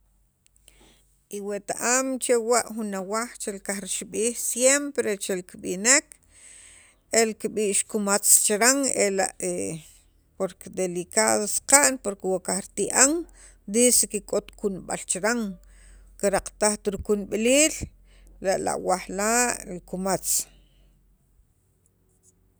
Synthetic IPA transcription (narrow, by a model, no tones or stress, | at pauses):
ʔiwet̪aʔamt͡ʃewaʔxunawaχt͡ʃelkaxɾiʃiɓiːxsjempɾet͡ʃelkiɓḭnek | elkiɓiːʔʃkumat͡st͡ʃɾaŋela̰ʔe | poɾked̪elikaːðosqaʔnpoɾkewakahɾit̪iʔaŋ | d̪isekikʼot̪kunɓa̰lt͡ʃɾaŋ | kiɾaqt̪aχt̪ɾikunɓliːl | ɾaʔla̰ʔwaχlaːʔɾikumat͡s